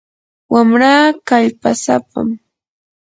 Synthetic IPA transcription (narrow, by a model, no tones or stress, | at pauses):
wamɾaːkaʎpasapa̰m